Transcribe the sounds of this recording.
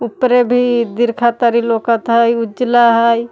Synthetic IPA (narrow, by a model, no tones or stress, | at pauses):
upɾebʱid̪iɾkʰat̪aɾiloːkət̪ɦəjʊd͡ʒlaɦəj